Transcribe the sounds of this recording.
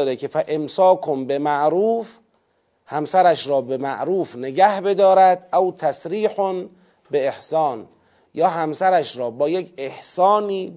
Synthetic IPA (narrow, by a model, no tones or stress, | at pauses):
ɾekʰefæʔemsɒːkʰombemæʔɾuːf | hæmsæɾæʃɾɒːbemæʔɾuːfneɡæhbe̞d̪ɒːɾæd̪ʔæwt̪ʰæsɾiːħon | beehsɒːn | jɒːɦæmsæɾæʃɾɒːbɒːjekʰe̞hsɒːniː